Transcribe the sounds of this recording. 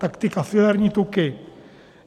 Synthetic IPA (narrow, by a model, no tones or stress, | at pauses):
t̪akt̪ɪkafɪlɛɾɲiːt̪ukɪ